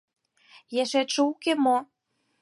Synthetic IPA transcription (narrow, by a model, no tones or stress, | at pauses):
jeʃet̪ʃeukemo